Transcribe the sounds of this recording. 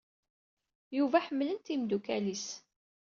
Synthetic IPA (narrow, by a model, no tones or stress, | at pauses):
juvæħəmːlənt̪imd̪ukælis